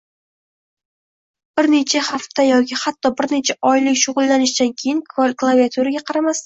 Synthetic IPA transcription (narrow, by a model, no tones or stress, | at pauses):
b̥ɪɾne̞t͡ʃʰahaft̪ajɒkʲʰɪhat̪ːɒbɪɾne̞t͡ʃʰaʔɒjlɪkʲʃʊʁʊlˠːanɪʃd̪ankʲʰejɪŋkʰvolklˠaviat̪ʰuɾaɡʲaqʰɑɾamast̪a